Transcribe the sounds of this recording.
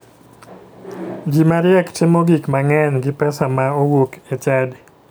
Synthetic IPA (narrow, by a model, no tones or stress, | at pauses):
d͡ʒimaɾjɛkt͡ʃemoɡikmaŋɛnɡɪpɛsamaowoket͡ʃad